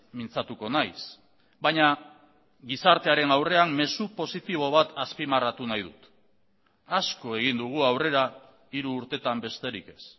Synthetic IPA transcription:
mint͡sat̪uko̞najs | baɲa | ɡisaɾt̪e̞aɾe̞nawre̞amːe̞supo̞sit̪iβ̞o̞β̞at̪aspimarat̪unajðut̪ | asko̞e̞ɣ̞ind̪uɣ̞uawre̞ɾa | iɾuːɾt̪e̞t̪ambe̞st̪e̞ɾike̞s

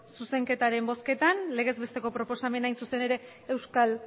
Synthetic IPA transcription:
suse̞ŋke̞t̪aɾe̞mbo̞ske̞t̪anle̞ɣ̞e̞zβe̞st̪e̞ko̞pɾo̞po̞same̞najnsuse̞ne̞ɾe̞ː | wskal

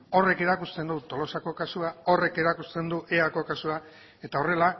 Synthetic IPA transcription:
o̞re̞ke̞ɾakust̪e̞nd̪ut̪o̞lo̞sako̞kasuao̞re̞ke̞ɾakust̪e̞nd̪uʔe̞ako̞kasua | e̞t̪ao̞re̞la

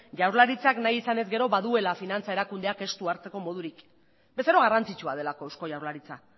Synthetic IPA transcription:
ʝawɾlaɾit͡saknajisane̞zɡe̞ɾo̞βaðue̞lafinant͡sae̞ɾakund̪eake̞st̪uaɾt͡se̞ko̞mo̞ð̞uɾik | be̞seɾo̞ɣ̞arant͡sit͡ʃuað̞e̞lako̞ewsko̞ʝawɾlaɾit͡sa

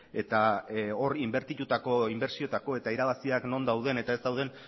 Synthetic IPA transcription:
e̞t̪ao̞rimbe̞ɾt̪it̪ut̪ako̞imbe̞ɾsio̞t̪ako̞e̞t̪aiɾaβasiakno̞nd̪awð̞e̞ne̞t̪aezd̪awð̞e̞n

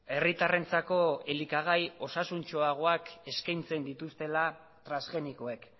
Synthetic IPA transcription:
e̞rit̪are̞nt͡sako̞e̞likaɣ̞ajo̞sasunt͡ʃo̞aɣ̞o̞ake̞skajnt͡se̞nd̪it̪ust̪e̞la | t̪ɾanzɣe̞niko̞e̞k

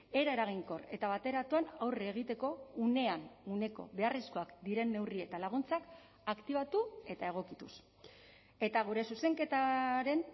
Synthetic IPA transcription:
e̞ɾaeɾaɣ̞iŋko̞re̞t̪aβat̪e̞ɾat̪uanawreːɣ̞it̪e̞ko̞une̞anune̞ko̞̰βe̞aresko̞akd̪iɾe̞nːe̞wrie̞t̪alaɣ̞unt͡sak | akt̪iβ̞at̪ue̞t̪ae̞ɣ̞o̞kit̪us | e̞t̪aɣ̞uɾe̞suse̞ŋke̞t̪aɾe̞n

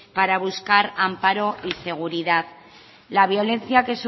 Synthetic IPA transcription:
paɾaβ̞uskaɾampaɾo̞ʔise̞ɣ̞uɾiðað | laβ̞jo̞le̞nθjake̞s

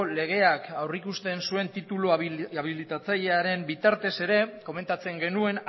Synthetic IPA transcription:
le̞ɣ̞e̞akawrikust̪e̞nsue̞nt̪it̪ulaβilit̪at͡saʎe̞aɾe̞mbit̪aɾt̪e̞se̞ɾe̞ko̞me̞nt̪at͡se̞ŋɡe̞nue̞n

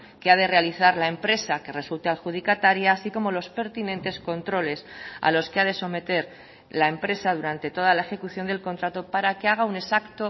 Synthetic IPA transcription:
ke̞að̞e̞re̞aliθaɾlae̞mpɾe̞sake̞re̞sult̪ealxuð̞ikat̪aɾjaːsiko̞mo̞lo̞spe̞ɾt̪inẽ̞nt̪e̞sko̞nt̪ɾo̞le̞sa̰lo̞skeað̞e̞so̞me̞t̪e̞ɾ | lae̞mpɾe̞saðuɾant̪e̞t̪o̞ð̞alae̞xe̞kuθjo̞nd̪e̞lko̞nt̪ɾat̪o̞paɾake̞aɣ̞aune̞sakt̪o̞

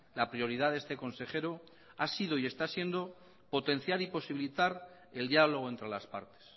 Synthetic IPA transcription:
lapɾio̞ɾiðaðest̪e̞ko̞nse̞χe̞ɾo | asið̞oie̞st̪asje̞nd̪o̞ | po̞t̪e̞n̟θjaɾipo̞siβilit̪aɾ | e̞ld̪ialo̞ɣ̞oe̞nt̪ɾe̞laspa̰ɾt̪e̥s

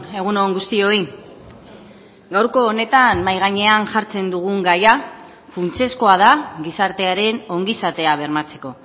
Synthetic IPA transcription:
e̞ɣ̞unoŋɡust̪io̞i | ɡawɾko̞ːne̞t̪anmajɣ̞aɲe̞anʝaɾt͡se̞nd̪uɣ̞uŋɡaja | funt͡se̞sko̞að̞aɣisaɾt̪e̞aɾe̞no̞ŋɡisat̪e̞aβ̞e̞ɾmat͡se̞̥ko̞

